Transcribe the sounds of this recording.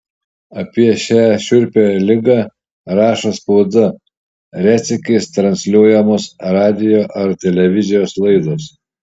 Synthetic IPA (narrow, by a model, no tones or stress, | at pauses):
ɐpʲiɛʃʲæːʃʲʊɾʲpʲelʲɪɡɑː | ɾɑːʃɐspoːd̪ɐ | ɾʲæːt̪sʲɪkʲɐɪst̪ɾɐnʲsʲlʲuɔjɛmosɾɑːd̪ʲɪjoːʔɐɾt̪ʲɛlʲɛʋʲɪzʲɪjoːslˠɐɪd̪os